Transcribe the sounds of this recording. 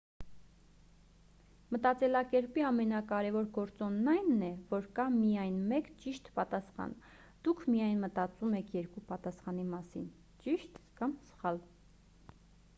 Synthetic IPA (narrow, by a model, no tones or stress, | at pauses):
mət̪ɑt͡sɛlɑkɛɾpiɑmɛnɑkɑɾɛvɔɾɡɔɾt͡sɔnːɑjnːɛvɔɾkɑmijɑjnmɛkt͡ʃiʃt̪pɑt̪ɑsχɑ̰n | d̪̥ukʰmijɑjnmət̪ɑt͡sumɛkʰjɛɾkupɑt̪ɑsχɑnimɑsḭn | t͡ʃiʃt̪kɑmsə̥χɑl